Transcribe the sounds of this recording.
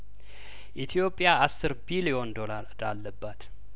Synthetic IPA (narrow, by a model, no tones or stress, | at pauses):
ʔit̪ʰijo̞pʼːjaasːɨɾbilio̞nd̪ola | d̪alːəbːat̪